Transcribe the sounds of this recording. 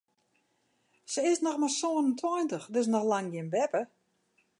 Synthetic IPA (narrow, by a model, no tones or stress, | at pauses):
səɪsnɔxmarsoːənəntʰwɔjntəxdəs̬nɔxlaŋɡjɪənbɛpə